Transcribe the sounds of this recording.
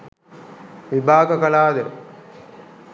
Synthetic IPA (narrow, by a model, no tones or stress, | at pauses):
ʋibʱaːɡɐkɐlaːd̪ɐɾ